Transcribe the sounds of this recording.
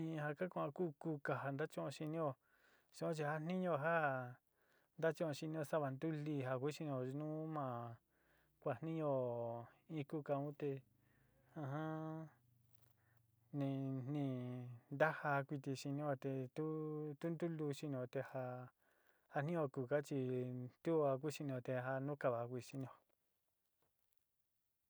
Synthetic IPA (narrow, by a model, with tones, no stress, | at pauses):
ĩ˧ɦa˧ka˦kʷã˧ku˦˨ku˧˦ka˧ɦa˧nd̪a˦t͡ʃõ˦ʔõ˧ʃi˧nĩ˦o˧ | sõ˧õ˦t͡ʃ̬i˧ha˧n̥nĩ˦ɲõ˧ɦa˦ | nd̪a˦t͡ʃõ˦ʔõ˧ʃi˧nĩ˧o˧sa˦βa˧nd̪u˦li˧ɦa˧kʷu˦ʃi˧ñ˧õ˧˨˧nũ˦mã˧ | kʷa˧n̥nĩ˦ɲõ˧ | ĩ˧ku˦˨ka˧ũ˦t̪e˧ | ã˧ɦã˦ | nĩ˧n̥nĩ˧˨nd̪a˦ha˧kʷi˧t̪̬i˧ʃi˧nĩ˦o˧t̪e˧t̪u˦t̪u˦nd̪u˦lu˧ʃi˧ñ˧õ˧t̪e˧ha˧ | ha˧n̥ĩ˦õ˧ku˨ka˦t͡ʃi˧t̪u˦a˧k̬ʷu˦ʃi˧ñ˧õ˧t̪e˧ɦa˧nũ˦ka˧˨βa˨˧kʷi˧ʃi˧nĩ˧õ˧